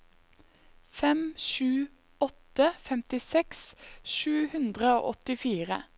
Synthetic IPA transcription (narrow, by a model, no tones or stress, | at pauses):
fɛmʃʉː | ɔt̪əfɛmt̪ɪsɛksʃʉːhʉnd̪ʁəo̰ːʔɔt̪ɪfiːʁə